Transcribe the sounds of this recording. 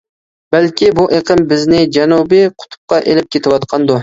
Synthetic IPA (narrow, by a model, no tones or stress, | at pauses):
bælkʲʰibuʔeqʰəmbɪznɪd͡ʒɛnubɪqʰʊ̥t̪ʰʊ̥p̚qɑʔelɪp̚kʲet̪ʰɪwɑt̪qʰɑnd̪u